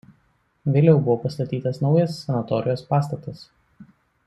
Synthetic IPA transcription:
ʋʲeːlʲɛʊbʊʋoːpɐst̪ɐt̪ʲiːt̪ɐsnɒʊjɐsːʲɛnɐt̪ɔɾʲɪjoːspɑːst̪ɐt̪ɐs

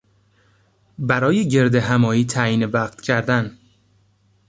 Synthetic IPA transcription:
bæɾɒːjeɟe̞ɾd̪eɦæmɒːiːt̪ʰæːjiːnevæːqt̪cʰæɾd̪æn

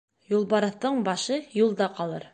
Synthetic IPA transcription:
julˠbɑɾɤ̆θt̪ɤɴbɑʃɤjulˠd̪ɑqɑlˠɤ̰ɾ

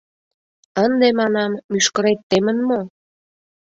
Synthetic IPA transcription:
ənd̪emɑnɑmːyʃkə̆ɾet̪ːemənmo

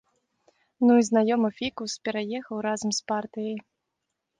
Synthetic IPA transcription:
nuiznajɔmɐfʲikuwspʲɛɾajɛxɐwɾazɐmspart̪ɨjɐj

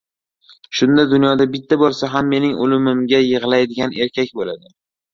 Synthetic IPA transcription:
ʃʊnd̪ad̪ʊnjɒd̪abɪt̪ʰːabolˠsaɦamːe̞nɪŋʊlɪmɪmɡʲajɨʁlˠajd̪ɪɡʲane̞ɾkʲakʲbolad̪ɪ

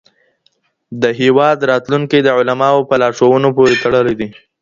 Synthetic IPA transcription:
d̪əɦewɑd̪ɾɑt̪luŋkid̪əʕʊlamɑopəlɑʂowənopoɾet̪aɽəlid̪i

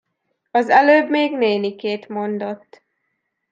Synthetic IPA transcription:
ɒzɛløːbmeːɡneːnikeːt̪mo̞nd̪o̞t̪ː

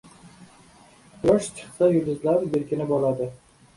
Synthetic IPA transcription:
jɒʃt͡ʃʰɨ̥χsajʊbɪzlaɾbeɾkʲɪnɪbɒlad̪ɪ

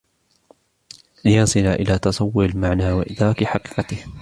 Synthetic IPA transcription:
lɪjɑnsˤɨlaʔɪlaːt̪ɑsˤɑwːʊɾɪlmaʕnaːwaʔɪd̪ɾˤɑːkħɑqi̥ːqɑt̪ɪh

